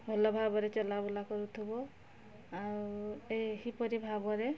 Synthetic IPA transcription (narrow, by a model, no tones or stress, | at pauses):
bʱɔlɔbʱabɔɾet͡ʃɔlabɔlakɔɾut̪ʰubɔ | aehipɔɾibʱabɔɾe